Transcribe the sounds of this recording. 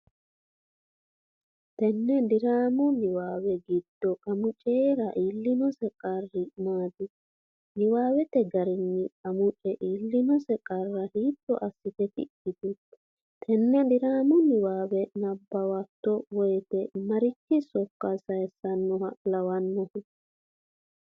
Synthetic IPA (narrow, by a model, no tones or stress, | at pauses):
t̪ɛnːɛd̪ɪɾaːmʊnɪwaːwɛɡɪd̪̥ːɔkʼɐmʊt͡ʃʼɛɾɐʔiːlːɪnɔsɛkʼɐrːɪmaːd̪ɪ | nɪwaːwɛt̪ɛɡɐɾɪnːɪɐmʊt͡ʃʼɛʔiːlːɪnɔsɛkʼɐrːɐhiːt̪ːɔ̰ʔɐsːɪt̪ɛt̪ɪ̰ʔːɪt̪ɪ | t̪ʰɛnːɛd̪ɪɾaːmʊnɪwaːwɛnɐbːɐwɐt̪ːɔwɔjt̪ɛmɐɾɪkːɪsɔkːɐsɐjɛsɐnːɔhɐlɐwɐnːɔh